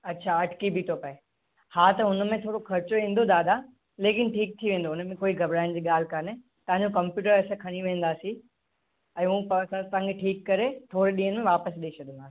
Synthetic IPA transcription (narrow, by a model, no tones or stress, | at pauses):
ɐtːɕʰaɐʈʰkibʱit̪ʰopɐe | haːt̪ɐʊnəmẽt̪ʰoːɾokʰɐɾt͡ɕoẽːnd̪od̪aːd̪a | leːkɪnʈʰiːk̚t̪ʰiʋẽːndoʊnmẽkoːiɡʱɐbɾaːɪ̃nd͡ʑiːɠaːl̤kɐne | t̪ɐʋ̤ãɲd͡ʑokɐ̃mpjuːʈəɾɛːsãkʰɐɽ̃iʋẽːn̆d̪aːsĩ | ɛ̃ːũpɐsɐɾt̪ããŋkeʈʰiːkːɐɾet̪ʰoːɾeɗĩːə̃nmẽʋaːpəsɗeːt͡ɕʰɐɗənd̪aːsi̥